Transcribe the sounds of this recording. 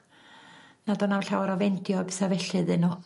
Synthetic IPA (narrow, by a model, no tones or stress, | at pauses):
nadɔnawɬawaɾɔvɛndjɔbɪθavɛɬɨðɨnɔ